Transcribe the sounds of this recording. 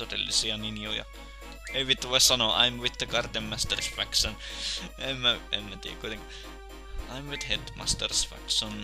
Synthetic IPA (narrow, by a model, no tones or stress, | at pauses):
t̪ot̪ḛlːḭsiɑninjojɑ̰ | eʋit̪ːʋoissɑnoːʔɑ̰imwit̪ːəkɑrt̪emmæst̪ərsfæksonemmæemmæt̪ḭkuit̪eŋkɑ | ɑimwit̪het̪mɑ̰st̪ərsfæ̰kson